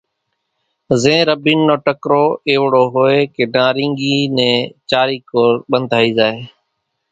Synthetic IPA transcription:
zẽːɾəbiːnːoːʈəkɾoːeːʋɽoːɦoːeːkeːɖãːɾɪ̃ːŋɡiːnɛ̃ːt͡ʃaːɾiːkoːɾɓənd̪ʱaːiːzaːeː

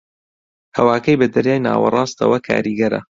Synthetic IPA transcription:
hɐwaːkɐjbɐd̪ɐɾjaːjna̰ːwɐ̰rˤɑːst̪ɐ̰wɐkʰa̰ːɾiːɡɐɾɐ̰

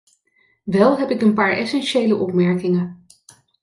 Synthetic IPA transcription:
ʋɛlˠɦɛpɪkənpaːɹɛsɛnʃejləʔɔpmɛɹkɪŋə

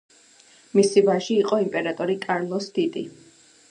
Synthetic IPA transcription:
misivaʒiːqʼɔimpʼɛɾat̪ʼɔɾikʼaɾlˠɔsd̪̥id̪i

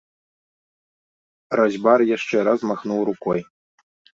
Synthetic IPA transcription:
rɔzʲbarjaʂt͡ʂɛɾazmaxnuwɾukɔj

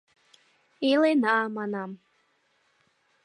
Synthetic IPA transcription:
ilenɑmɑnɑm

